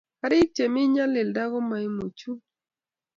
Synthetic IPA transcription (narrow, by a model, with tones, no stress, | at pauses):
ka˨ɾɪ˦t͡ʃe˨mɪ˦ɲa˦lɪ˨lda˦ɣɔ˦ma˨i˦mu˨t͡ʃu˦